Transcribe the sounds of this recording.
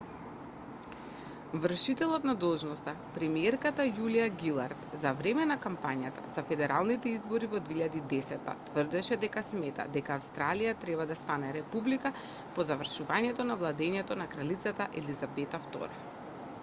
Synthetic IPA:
vr̩ʃit̪ɛlˠɔt̪nad̪ɔlˠʒnɔst̪a | pɾɛmiɛɾkat̪ajulijaɡilˠaɾt̪zavɾɛmɛnakampaɲat̪a̰zafɛd̪ɛɾalˠnit̪ɛizbɔɾivɔd̪veiʎad̪iːd̪ɛsɛt̪ːa̰t̪vərd̪ɛʃɛd̪ɛkasmɛt̪a̰d̪ɛkaːfst̪ɾalijat̪ɾɛbad̪ast̪anɛɾɛpublika | pɔzavr̩ʃuvaɲɛt̪ɔnavlˠad̪ɛɲɛt̪ɔnakɾalit̪sat̪aʔɛlizabɛt̪aft̪ɔ̰ɾɛ

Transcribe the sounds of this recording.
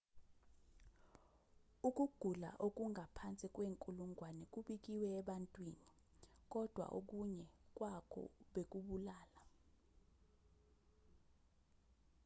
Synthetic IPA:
uk̬ʼuɡ̥ʱula̰ʔok̬ʼuŋʱapʰant͡sʼikʼweːŋkʼuluŋʱwanɛk̬ʼuɓik̬iwɛːɓantʼwiːni | k̬ʼɔd̥ʱwa̰ʔo̰k̬uɲɛk̬ʼwakʰɔ̰ɓek̬uɓulaːla

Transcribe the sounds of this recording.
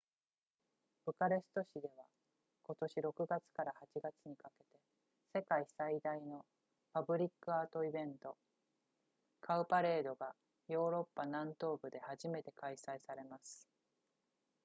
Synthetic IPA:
b̥ɯ̟kaɾe̞sɨ̥t̪o̞ɕid̪e̞β̞a | ko̞t̪o̞ɕiɾo̞kɯ̟ɡat͡sɨ̥kaɾahat͡ɕiɡat͡sɨɲ̟ikake̞t̪e̞ | se̞kaisaid̪aino̞ | pabɯ̟ɾʲikːɯ̟aːt̪o̞ibẽ̞nt̪o̞ | kʰaɯ̟paɾe̞ːd̪o̞ɡa | jo̞ːɾo̞pːanãnt̪o̞ːbɯ̟d̪e̞haʑime̞t̪e̞kaisaisaɾe̞masɨ̥

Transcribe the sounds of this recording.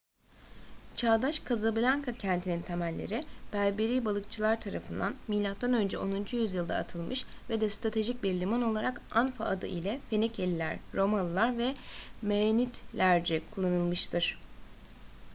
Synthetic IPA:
t͡ʃʰaːd̪aʃkʰazablʲaŋkʰacʰænt̪ʰinint̪ʰemælʲːḛɾɪb̥æɾbeɾiːbalˠɯk̚t͡ʃʰɯlˠaɾt̪ʰaɾafɯnd̪anmijlʲak̪̚t̪ːanø̞nd͡ʒɛo̞nund͡ʒujyzjɯlˠd̪a̰ːt̪ʰɯlˠmɯʃ | vɛd̪ɛst̪ɾat̪ʰe̞ʒic̚biɾlʲimano̞lˠaɾakanfa̰ʔːd̪ɯ̰ʔilʲɛfe̞nicʰelʲilʲæɾːo̞manˠlˠaɾvɛmeenit̪lʲæɾd͡ʒikʰulˠːanɯlˠmɯʃt̪ʰɯɾ̥

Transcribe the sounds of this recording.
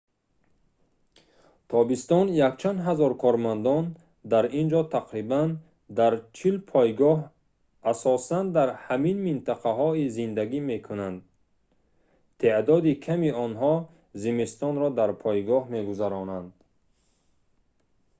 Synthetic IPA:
t̪ʰɔbist̪ɔnjakt͡ʃʰand̪ɦazɔɾkʰɔɾmand̪ɔn | d̪aɾind͡ʒɔt̪ʰaqɾiban | d̪aɾt͡ʃʰilpʰɔjɡɔɦ | asɔsand̪aɾhaminmint̪ʰaqʰaɦɔizind̪aɡime̞kʰunand̪̚ | t̪ʰed̪ɔd̪ikʰamiɔnɦɔ | zimist̪ɔnɾɔd̪aɾpʰɔjɡɔhme̞ɡuzaɾɔnand̪

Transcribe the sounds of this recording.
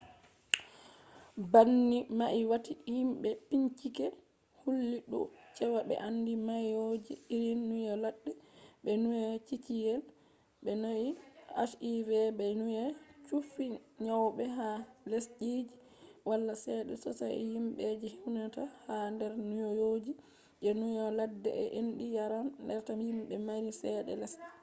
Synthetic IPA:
banːimaʔiwatihimɓɛpiɲt͡ʃikɛ | hulːiɗṵt͡ʃɛwaɓɛ̰ʔandimajod͡ʒiiɾinːujɛlaɗːɛɓɛnujɛt͡ʃit͡ʃijɛl | ɓɛnoia̰ʃivɛbɛnujɛt͡ʃufːiɲawɓɛɦalɛsd͡ʒid͡ʒi | walːasɛɗɛ̰sɔsa̰jjimɓɛd͡ʒɛhiwnatahandɛɾnujɔjod͡ʒi | d͡ʒɛnujɔladːɛ̰ʔɛ̰ʔenɗijaɾanːdɛɾtahimɓɛmaɾisɛɗɛ̰lɛs

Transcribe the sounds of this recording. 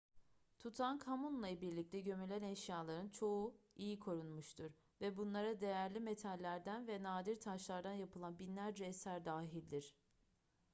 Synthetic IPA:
t̪ʰut̪ʰankʰamunlˠajbiɾlʲic̚t̪ʰɛɟø̞mylʲænɛʃjaːlˠaɾɯnt͡ʃʰo̞uijikʰo̞ɾunmuʃt̪ʰuɾ | vɛbunlˠaɾad̪e̞jæɾlʲimet̪ʰalʲːæɾd̪ænvɛnaːd̪iɾt̪ʰaʃlˠaɾd̪anjapɯlˠanbinlʲæɾd͡ʒɛːsæɾd̪aːɦilʲd̪iɾ̥

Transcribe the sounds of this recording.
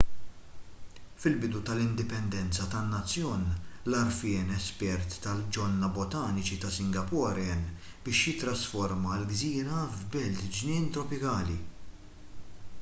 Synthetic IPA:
fɪlbɪd̪ut̪ɐlɪnd̪ɪpɛnd̪ɛnt͡sɐt̪ɐnːɐt͡sːjɔːnlɐɾfɪːnɛspɛɾt̪ːɐld͡ʒɔnːɐbɔt̪ɐːnɪt͡ʃit̪ɐsɪŋɡɐpɔːɾɛn | b̥ɪːʃjɪt̪ɾɐsfɔɾmɐlɡziːɾɐvbɛlt̪d͡ʒnɪːnt̪ɾɔpɪkɐːli

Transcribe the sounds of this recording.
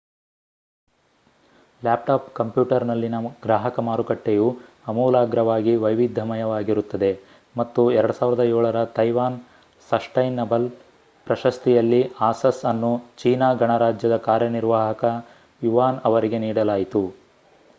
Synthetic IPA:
laːp̚ʈaːpkɐmpjuːʈɐɾnɐlːinɐɡɾaːɦɐkɐmaːɾukɐʈːeju | ɐmuːlaːɡɾɐʋaːɡiʋɐjʋid̪ʱːɐmɐjɐʋaːɡiɾut̪ːɐd̪e̞ | mɐt̪ːuɛɾɐɽusaːʋiɾɐd̪ɐɛːɭɐɾɐt̪ɐjʋaːn | sɐsʈɐjnːɐbɐl | pɾɐʃɐst̪ijɐlːiaːsɐsɐnːut͡ʃiːnaːɡɐɳɐɾaːd͡ʒjɐd̪ɐkaːɾjɐniɾʋaːɦɐkɐ | juʋaːnɐʋɐɾiɡe̞niːɽɐlaːjit̪u

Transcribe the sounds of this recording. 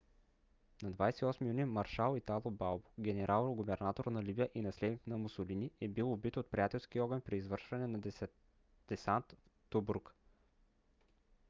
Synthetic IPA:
nɐd̪vajsɛiɔsmijunimɐɾʃalˠit̪alˠobalˠbʊ̥ɡʲɛnɛɾʔalˠɾoɡʊbɛɾnat̪oɾnɐlibijəʔinɐslɛd̪nik̪nɐmʊsʊliniɛbilˠobit̪ot̪̚pɾijat̪ɛlˠskiɔɾɡənpɾiːzvɤɾʃvɐnɛnɐ | d̪̥ɛsant̪f | t̪ubuɾk

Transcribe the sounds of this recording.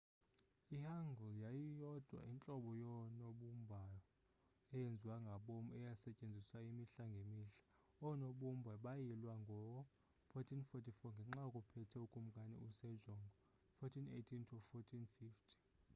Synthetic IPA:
ihaŋɡʱɔljajijɔd̥ʱwa̰ʔint͡ɬʼɔɓɔjɔnoɓumbʱajɔ | ɛjend͡zʱiwaŋɡʱaɓomuɛjasɛcʼend͡zʱiswaimiɬaŋɡʱemiɬḁ | ɔnoɓum̩bʱaɓajilwaŋɡʱɔ | fɔtʰinfɔtʰifɔŋɡʱɛŋ͡ǁakʼupʰɛtʰɛukʼum̩kʼanɛ̰usɛd͡ʒʱɔŋɡɔ | fɔtʰinetʰintʰufɔtʰinfiftʰi̥

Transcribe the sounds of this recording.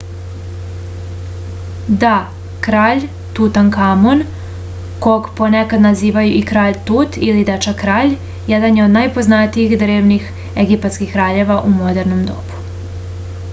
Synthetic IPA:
d̪a | kɾaːʎ | t̪ut̪ankamon | koɡponekad̪naziːʋajuʔikɾaːʎt̪uːt̪ilid̪at͡ʃakɾaːʎ | jɛd̪anjeod̪najpo̞znat̪iiɣd̪ɾe̞ːʋnix | eɡipat̪skixkɾaːʎe̞ʋaʔumo̞d̪eɾno̞md̪o̞̰bu̥

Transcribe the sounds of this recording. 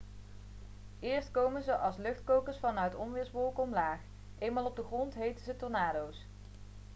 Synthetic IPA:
ɪːɹstkowmənzəʔɑlˠslɵχtkowkəɹsfɑnœɥtɔmʋɪːɹsʋɔlˠkɔmlaːχ | ʔejnmaːlˠɔb̚dəχrɔntɦejtənzətɔnaːdows

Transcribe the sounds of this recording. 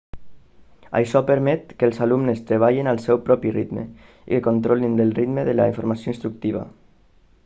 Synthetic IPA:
a̰jʃɔpəɾmɛt̪kəlzalumnəst̪ɾeβ̞aʎinalˠsɛwpɾɔpirit̪mḛ | ḭkəkont̪ɾɔlind̪əlrit̪məðəlaiɱfoɾmasioinst̪ɾuk̚t̪iβ̞a̰

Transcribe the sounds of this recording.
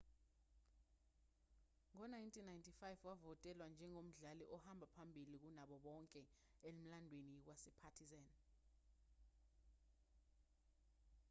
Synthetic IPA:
ŋɔnajntʰinajntʰifajvwavɔtʼɛlwand͡ʒʱɛŋom̩ɮaliʔɔhambʱapʰambʱilik̬unaɓɔɓɔŋkʼɛem̩landʱwenik̬wasɛpʰatʰizan

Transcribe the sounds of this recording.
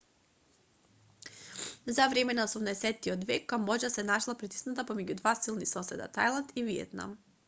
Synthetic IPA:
zavɾɛmɛnaɔsumnaɛsɛt̪ːiɔd̪vɛkːambɔd͡ʒasɛnaʃlˠapɾit̪i̥snat̪apɔmɛɟud̪vasilˠnisɔsɛ̰d̪a̰t̪ajlˠant̪iviɛ̰t̪na̰m

